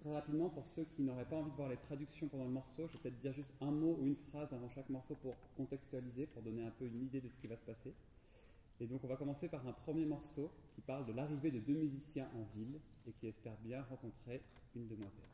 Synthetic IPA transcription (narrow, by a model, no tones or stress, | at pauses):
t̪χɛʁapid̪mɑ̃puʁsøkʲʰinɔʁɛpaɑ̃vid̪əvwaʁlet̪χad̪yksjɔ̃pɑ̃d̪ɑ̃ləmɔʁsoʒvepət̪ɛt̪χəd̪iʁʒyst̪ɛ̃mouynfχazavɑ̃ʃakmɔʁsopuʁkɔ̃t̪ɛkst̪yalizepuʁd̪ɔneɛ̃pøynid̪ed̪əsə̥kʲivasə̥pase | ed̪ɔ̃kɔ̃vakɔmɑ̃sepaʁɛ̃pχəmjemɔʁsokʲipaʁld̪əlaʁived̪əd̪ømyzisjɛ̃ʔɑ̃vil | ekʲiɛspɛʁbjɛ̃ʁɑ̃kɔ̃t̪χe | ynd̪əmwazɛ̰l